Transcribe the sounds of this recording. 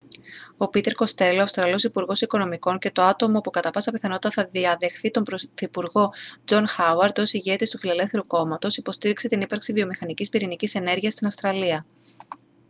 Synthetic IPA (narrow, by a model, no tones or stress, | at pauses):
o̞pit̪e̞ɾko̞st̪e̞loɐfst̪ɾɐlo̞sipuɾɣo̞siko̞no̞miko̞ɲce̞t̪o̞ɐt̪o̞mo̞pukɐt̪ɐpɐsɐpiθɐno̞t̪it̪ɐθɐðiɐðe̞xθit̪o̞mpɾoθipuɾɣo̞d͡zo̞nxɐwɐɾt̪osiʝe̞t̪ist̪ufile̞le̞fθeɾuko̞mɐt̪o̞sipo̞st̪iɾikse̞t̪inipɐɾksivio̞mixɐnicispiɾinicise̞ne̞ɾʝiɐst̪inɐfst̪ɾɐliɐ